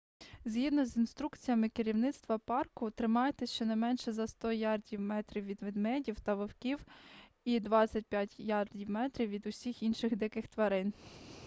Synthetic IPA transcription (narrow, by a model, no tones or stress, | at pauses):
zʲɦid̪nɔzinst̪ɾukt͡sʲijɐmɪkɪɾʲiwnɪt̪st̪ʋɐpɑrkʊt̪ɾɪmɑjet̪ɛʃt͡ʃɔnɐjmɛnʃɛzɐst̪ɔjʲɑrdʲiwmɛt̪ɾʲiwʋʲid̪ʋɪd̪mɛdʲiwt̪ɐʋɪwkʲiw | id̪ʋɑt͡sʲɐt̚ʲpʲjatʲjɑrdʲiwmɛt̪ɾʲiwʋʲid̪ʊsʲixinʃɪxd̪ɪkɪxt̪ʋɐɾɪn